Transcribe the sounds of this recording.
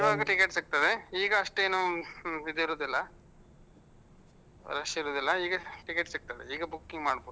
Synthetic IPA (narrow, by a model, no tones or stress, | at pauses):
iʋaːɡɐʈikeʈsik̚t̪ɐd̪eiːɡɐːʂʈeːnuid̪iɾoːd̪ilːɐ | ɾɐʂɐiɾoːd̪ilːɐiːɡɐʈikeʈsik̚t̪ɐd̪eiːɡɐbukːiŋɡmaːɽboːu